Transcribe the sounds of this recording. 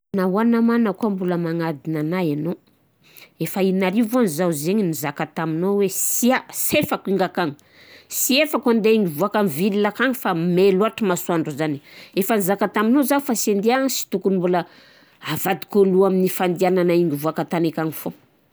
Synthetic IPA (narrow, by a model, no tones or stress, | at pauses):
nawanamanəkuambuləmaŋad̪inanajano | efainaɾivoanzazeɲinizakat̪aminowesiasefakiŋɡakaŋi̥ | siefakand̪eiŋɡivuakamvililakaŋifameluaʈ͡ʂəmasuaɳɖ͡ʐuzaniefanizakat̪aminozafasend̪iaŋsi̥t̪ukunmbulə | avad̪i̥koluaminifand̪iananaiŋɡivuakat̪anekaŋifo